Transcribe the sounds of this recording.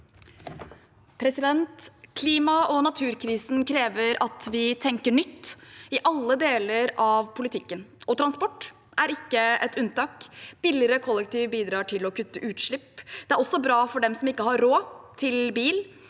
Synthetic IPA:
pʰɾɛsɪd̪ɛnt̪kʰliːmɑʔɔnɑt̪ʰʉːɾkʰɾiːsn̩kʰɾeːʋəɾɑt̪ʋɪt̪ʰɛŋkəɳʏt̪ːɪʔɑlːəd̪eːləɾɑʋpʰʊlɪt̪ʰɪkːənɔt̪ʰɾɑnspɔʈː | ʔæɾɪkːəɛt̪ʉnt̪ɑːkb̥ɪlɪɾəkʰɔlːɛk̚t̪ʰiːʋbiːd̪ɾɑːʈʰɪlɔkʉt̪ːəʔʉːt̪ʂɭɪpːd̪̥ɛæɾɔsɔbɾɑːfɔɖɛmsɔmɪkːəhɑɾɾoːt̪ʰɪlbiːl

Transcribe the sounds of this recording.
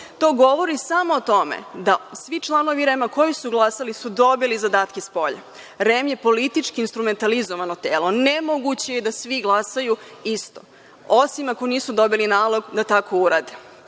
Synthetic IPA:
t̪o̞ːɡo̞ʋo̞ɾisamo̞ːt̪o̞mḛd̪asʋit͡ʃlˠano̞ʋiɾemako̞jisuɡlˠasalisud̪o̞bilizad̪aːt̪kespo̞ʎa̰ | ɾemje̞po̞lit̪it͡ʃkiːnst̪ɾume̞nt̪alizoʋanot̪eːlo̞nemoɡut͡ɕejed̪asʋiɡlˠasajuist̪o̰ | osimako̞niːsud̪o̞bilinaːlˠo̞ɡd̪at̪ako̞uɾaːd̪e

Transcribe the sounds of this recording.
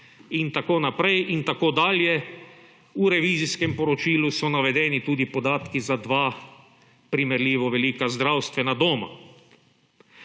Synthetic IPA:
int̪akoːnapɾɛjint̪akoːd̪aːljɛ | uɾɛʋiːziskɛmpɔɾɔt͡ʃiːlusɔnaʋɛd̪ɛːnit̪uːd̪ipɔd̪aːt̪kizad̪ʋaː | pɾimɛɾliːʋɔʋɛliːkazd̪ɾawst̪ʋɛnad̪oːma̰

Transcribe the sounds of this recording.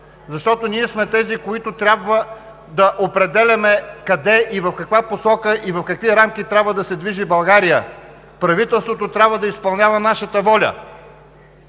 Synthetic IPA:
zɐʃt̪ɔt̪onʲiɛsmɛt̪ɛzikoit̪ot̪ɾʲabvə | d̪ɐʔopɾɛd̪ɛlʲɐmɛkɐd̪ɛʔivɐfkɐkvaposɔkəʔivɐfkɐkviɾamk̟it̪ɾʲabvəd̪ɐsɛd̪viʒibɐlˠɡaɾijə | pɾɐvit̪ɛlˠst̪vot̪ot̪ɾʲabvəd̪ɐispɐlˠnʲavənaʃət̪əvɔlʲə̰

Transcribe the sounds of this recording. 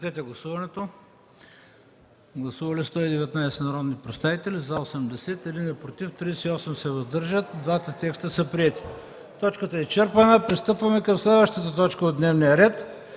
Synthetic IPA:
t̪ɛt̪ɛɡlˠɐsuvɐnɛt̪o | ɡlˠɐsuvɐlist̪ɔid̪ɛvɛt̪najsɛnɐɾɔd̪nipɾɛt̪st̪avit̪ɛlizɐosɛmd̪ɛsɛt̪ɛd̪inɛpɾot̪ift̪ɾisiɔsɛmsɛvɐzd̪ɤɾʒət̪̚d̪vat̪ət̪ɛkst̪əsəpɾiɛt̪i̥ | t̪ɔt͡ʃkət̪əɛt͡ʃɛɾpɐnəpɾist̪ɤpvɐmɛkəmslɛd̪vəʃt̪ət̪ət̪ɔt͡ʃkəod̪nɛvnijəɾɛt̪

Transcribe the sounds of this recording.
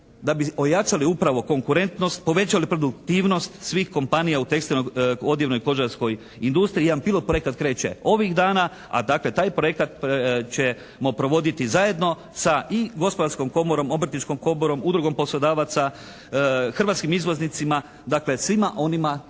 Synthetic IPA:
d̪abio̞jat͡ʃaliupɾaʋo̞ko̞ŋkuɾe̞nt̪no̞st̪̚po̞ʋe̞t͡ɕalipɾo̞d̪ukt̪iːʋno̞st̪sʋiːxko̞mpanijaut̪e̞ksinoo̞d̪jeʋnojko̞ʒaɾsko̞j | ind̪ust̪ɾiːd̪anpilo̞t̪pɾoe̞kat̪kɾe̞ːt͡ɕe̞̰o̞ʋiɣd̪aːna | a̰d̪akle̞t̪aːjpɾo̞je̞kat̪pt͡ɕe | mopɾo̞ʋo̞d̪it̪izaje̞d̪no̞ | saiɡo̞spo̞d̪aɾsko̞mko̞moɾo̞mo̞br̩t̪nit͡ʃko̞mko̞moɾo̞mud̪ɾuɡo̞mpo̞slo̞d̪aːʋat̪sa | xr̩ʋat̪skimizʋo̞znit̪sima | d̪akle̞sʋimaʔo̞nima

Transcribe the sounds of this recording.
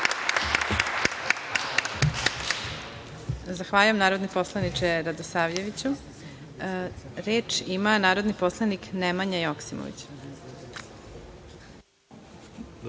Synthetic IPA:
zaxʋaːʎujemnaːɾod̪nepo̞slˠanit͡ʃeɾad̪osaːʋjeʋit͡ɕu | ɾeːt͡ʃimanaːɾo̞d̪niposlˠaniknemaɲajoksimo̰ʋḭt͡ɕ

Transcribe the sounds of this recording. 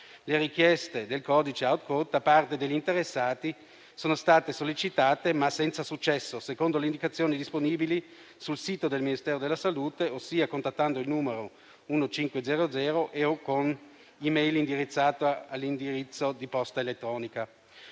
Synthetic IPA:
leɾikjɛst̪ed̪elkɔːd̪it͡ʃeawt̪kot̪̚d̪apart̪ed̪eʎːint̪eɾesːaːt̪i | soːnost̪aːt̪esolːit͡ʃit̪aːt̪emasːɛnt̪sasut͡ʃːɛsːosekond̪oleind̪ikat̪sːjoːnid̪isponiːbili | sulsiːt̪od̪elminist̪ɛːɾod̪elːasaluːt̪eosːiːakont̪at̪ːand̪oilnuːmeɾo | unot͡ʃiŋkwed̪zɛːɾod̪zɛːɾoʔeokon | imejlind̪iɾit̪sːaːt̪oalːind̪iɾit̪sːod̪ipɔst̪aelet̪ːɾɔːnika

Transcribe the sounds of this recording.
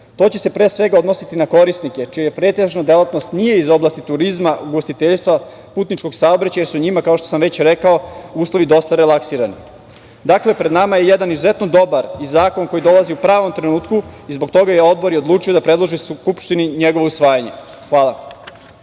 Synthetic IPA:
t̪o̞ːt͡ɕese̞pɾe̞ːsʋe̞ɡao̞d̪no̞sit̪inako̞ɾisnike̞t͡ʃiajepɾet̪eʒnad̪elˠat̪no̞st̪nije̞izo̞blast̪it̪uɾizmauɡost̪it̪eʎst̪ʋa | puːt̪nit͡ʃko̞ɡsaobɾat͡ɕajesuɲimakao̞ʃt̪osamʋe̞t͡ɕɾekao̞uːslˠo̞ʋid̪o̞st̪aɾelˠaksiːɾani | d̪akle̞pɾe̞d̪namajejed̪anizuzet̪nod̪o̞baɾizaːko̞nko̞jid̪o̞lˠaziupɾaːʋo̞mt̪ɾenuːt̪kuizbo̞kt̪o̞ɡajeo̞d̪̚bo̞ɾiod̪lˠuːt͡ʂijo̞d̪apɾed̪lˠoʒiskupʃt̪iniɲeɡoʋousʋaːjaɲe̞ | xʋaːlˠa

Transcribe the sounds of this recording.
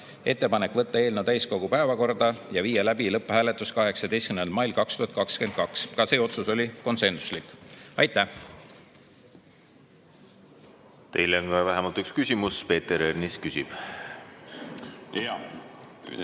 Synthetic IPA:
e̞t̪ˑːe̞pɑnekːˑvɤt̪ːɑe̞ːlnot̪æjsko̞ɡupæevɑko̞rd̪ɑjɑviːjelæbilɤpːˑhæːle̞t̪ːˑuskɑɦe̞ksɑd̪e̞jst̚k̚m̩nelmɑjlkɑkst̪uhɑt̪̚kɑkske̞nt̪̚kɑkskɑse̞ːo̞t̪suso̞lʲiko̞nse̞nsu̥slikːˑɑjt̪ːˑæh | t̪e̞jleonɡɑvæɦemɑlt̪ykskysʲimuspe̞ːt̪eɾerniskysʲib̥

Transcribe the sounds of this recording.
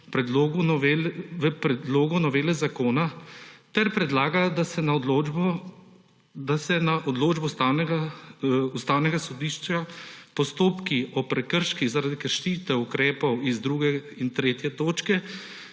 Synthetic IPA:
pɾɛd̪loːɡʋelʋəpɾɛd̪loːɡɔnɔʋeːlɛzakoːnat̪ɛɾpɾɛd̪laːɡad̪asɛna | d̪asɛnaʔɔd̪loːd͡ʒbɔst̪awnɛɡa | ust̪aːwnɛɡasɔd̪iːʃt͡ʃapɔst̪oːpkiɔpɾɛkəɾʃkiɣzaɾad̪ikəɾʃiːt̪ɛukɾɛːpɔwizd̪ɾuːɡɛ | int̪ɾeːt̪jɛt̪oːt͡ʃkɛ

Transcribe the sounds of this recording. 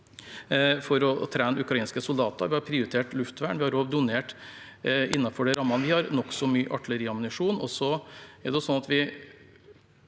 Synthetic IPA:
fɔɾɔt̪ʰɾæːnəʉkɾɑiːnskəsʊld̪ɑːt̪ə̰ɾʋɪhɑɾpʰɾɪʊɾɪt̪ʰeːʈlʉft̪ʋæːɳʋɪhɑɾoːʋd̪ʊneːʈ | ɪnːɑfɔɖɛɾɑmːɑnəʋɪhɑɾnɔksɔmyːʔɑʈɪləɾiːɑmʊnɪʂuːnɔ̰sɔɛɖɛjʊsɔnɑt̪ʋɪ

